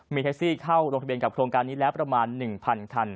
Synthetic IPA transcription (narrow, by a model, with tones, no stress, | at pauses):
miː˧t̪ʰe˦˥k̚siː˥˩kʰa˥˩wɾo˧ŋtʰa˧bi˧ənka˨˩kʰɾoː˧ŋkaː˧nːiː˦˥lɛː˦˥wpɾa˧maː˧nːɯ˨˩ŋpʰa˧nkʰa˧n